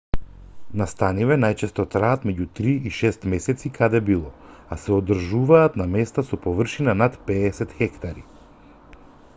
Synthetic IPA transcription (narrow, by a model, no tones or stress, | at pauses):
nast̪anivɛnajt͡ʃɛst̪ɔt̪ɾaːt̪mɛɟut̪ɾiiʃɛst̪mɛsɛt̪sikʰad̪ɛbilˠɔ | asɛɔd̪r̩ʒuvaːt̪namɛst̪asɔpɔvr̩ʃinanat̪pɛːsɛt̪xɛkt̪aɾi